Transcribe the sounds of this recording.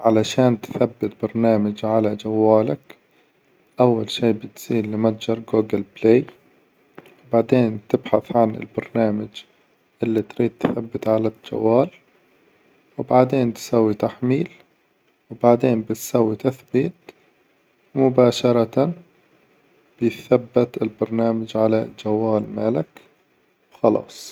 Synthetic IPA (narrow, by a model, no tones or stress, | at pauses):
ʕalaʃaːnt̪θabːɪt̪̚bɑɾˤnaːmad͡ʒʕalad͡ʒawːaːlak | ʔawːalʃiːbɪt̪z̥iːlːɪmat̪d͡ʒɑɾˤɡuːɡɪlbleː | wbaʕd̪eːnt̪ɪbħaθʕanɪ̰lbɑɾˤnaːmad͡ʒ | ʔɪlːit̪ɾiːd̪̚t̪ːθabːɪt̪ʕalad͡ʒa̰wːaːl | wbaʕd̪eːnt̪sawːit̪aħmiːl | wbaʕd̪eːnbɪt̪sawːit̪aθbiːt̪ | mʊbaːʃɑɾˤɑa | b̥ɪjθabːɪt̪ɪlbɑɾˤnaːmad͡ʒʕalad͡ʒawːaːlmaːlɪk | wxɑlɑ̰ːsˤ